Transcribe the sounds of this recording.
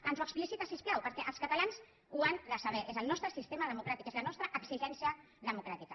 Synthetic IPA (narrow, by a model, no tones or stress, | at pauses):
ənzuəksplisit̪asisplawpəɾkɛʔəlskat̪alans | uanləsaβ̞ɛʔezəlˠnɔst̪ɾəsist̪eməðəmukɾat̪ikezlənɔst̪ɾəʔəksiʒɛnsiə | ðəmukɾat̪ikə